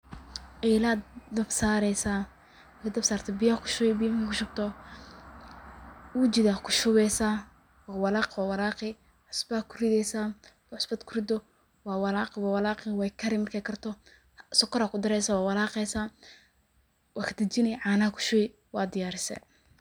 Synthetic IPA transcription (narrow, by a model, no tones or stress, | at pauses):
ʔɛjlaːd̪ɐbsaːɾɛjsaː | ɐkʰɐd̪ɐbsaːrt̪ʰɛbɪjɐkʰʊ̥ʃʊwbɪjɐmkʰɛkʰʊʃʊb̚t̪ʰɔ | wuːt͡ʃɪdaːkʰʊʃʊwɛjsaː | wɑːwɑlaːqwaːwɑlaːqɪ | ʕʊsbakʰʊrɪðɛjsaːwaʕʊsbɐd̪kʰʊrɪd̪ɔ | wɑːwɑlaːqwaːwɑlaːqɪwɑjkʰɐɾɪmɐrkʰɛːkʰɐrt̪ʰɔ | sɔkʰːɔɾakʰʊd̪ɐɾɛjsaːwaːwɑlaːqɛjsaː | wɑːkʰd̪ɐt͡ʃɪnɛʕɑːnakʰʊ̥ʃʊɛ | wɑːd̪ɪjaːɾɪsɛ̰